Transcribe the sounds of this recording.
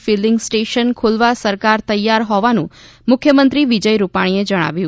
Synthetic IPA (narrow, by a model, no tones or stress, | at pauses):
filɪŋɡsʈeʃənkʰolʋasəɾkaɾt̪əjːaɾɦɔʋanṵ̃ | mʊkʰjəmə̃nt̪ɾiʋid͡ʒəjɾupaɽ̃ied͡ʒəɽ̃a̰ʋjũ